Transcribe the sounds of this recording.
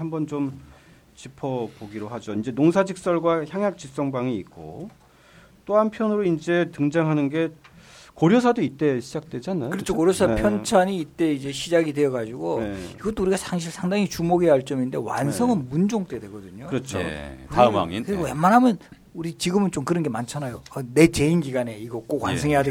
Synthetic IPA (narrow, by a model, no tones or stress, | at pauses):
hambʌnt͡ɕom | t͡ɕipʰʌboɡiɾohad͡ʑoind͡ʑe̞noŋsʰad͡ʑik̚s͈ʌɭɡwaçjaŋjak̚t͡ɕ͈is͈ʌŋbaŋiit̚k͈o̰ | t͈ohampʰjʌnɯɾoind͡ʑe̞tɯŋd͡ʑaŋɦanɯnɡe̞ | koɾjosʰadoit̚t͈e̞ɕʰid͡ʑak̚t͈we̞d͡ʑanajokɯɾʌt͡ɕʰokoɾjosʰapʰjʌnt͡ɕʰaɲiːt͈e̞id͡ʑe̞ɕʰid͡ʑaɡide̞ʌɡad͡ʑuɡoeiɡʌt͈ouɾiɡasʰaŋɕ̬ʰiɭsʰaŋdaŋit͡ɕumoɡeaɭt͡ɕ͈ʌminde̞wa̰nsʰʌŋɯnmund͡ʑoŋt͈e̞dwe̞ɡʌdɯɲokɯɾʌt͡ɕʰotaɯma̰ŋikɯɾiɡojemːanɦamjʌn | uɾit͡ɕiɡɯmɯnt͡ɕ͈omkɯɾʌnɡe̞mant͡ɕʰanajoʌne̞t͡ɕe̞inɡiɡane̞iɡʌk͈okwa̰nsʰʌŋɦe̞jade